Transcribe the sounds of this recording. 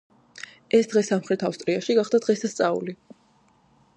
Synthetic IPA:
ɛsd̪ʁɛsamχɾɛt̪ʰafst̪ʼɾiaʃiɡaχd̪ad̪ʁɛst̪ʰast̪sʼaṵli

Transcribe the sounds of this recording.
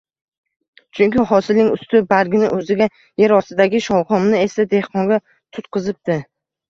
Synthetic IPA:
t͡ʃʰʊŋkʲɪɦɒsɪlnɪŋʊst̪ɪbaɾɡʲɪnɪ̰ʔɵzɪɡʲa | jeɾɒsɪd̪aɡʲɪʃɒwqɒmnɪe̞sad̪e̞hqɒŋɡʲa | t̪ʰʊt̪qʰɨzɪp̚t̪ɪ

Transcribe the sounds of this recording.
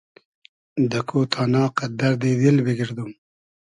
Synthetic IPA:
d̪əkʰot̪ʰɑːnɑːqad̪aɾd̪ed̪elbeɡɪɾd̪um

